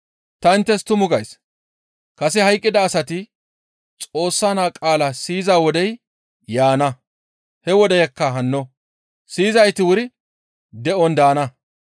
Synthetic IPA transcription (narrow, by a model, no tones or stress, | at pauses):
t̪ɐɪnt̪ːɛst̪ʊmʊɡɐjs | kɐsɪhɐjkʼːɪd̪ɐːsɐt̪ɪ | t͡sʼo̞ːsːaːnaːkʼaːlɐsiːzaːwɔd̪ɛj | jaːnɐ | hɛwɔd̪ɛjɐkːɐɦɐnːɔ | siːzɐjt̪ɪwʊɾɪ | d̪ɛʔɔnd̪aːnɐ